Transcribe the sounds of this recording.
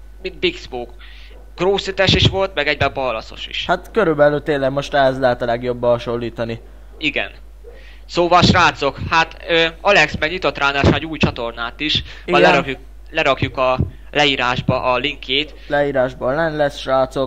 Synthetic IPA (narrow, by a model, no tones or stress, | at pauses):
mint̪̚biksboːk | ɡ̥roːsit̪ɛʃiʃʋo̞lt̪mɛɡɛɟ̚bɛpɒlɒso̞̰ʃḭʃhat̪køɾybɛlyːt̪eːnlːɛɡmo̞ʃt̪ɛɦɛzlɛɦɛt̪ɒlɛɡjobːɦɒʃo̞lːiːt̪ɒni | iɡɛ̰n | soːvɒʃraːt̪so̞khat̪øːɒlɛksmɛɲit̪ot̪raːnaːʃaɟuːjt͡ʃɒt̪o̞rnaːt̪iʃ | ɒlɛɾɒkju | lɛɾɒkjukɒ | lɛiːɾaːʒbɒʔɒliŋkʰːeːt̪ | lɛiːɾaːʒboɛnlɛsʃraːt̪so̞k